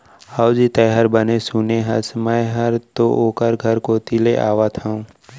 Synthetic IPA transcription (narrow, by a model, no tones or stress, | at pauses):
haːwd͡ʒit̪ɛɦəɾbɐnesuneɦɐsmɐɦɐɾt̪oʔoːkəɾɡʱɐɾkoːt̪ileʔa̰ːʋat̪ʰaũ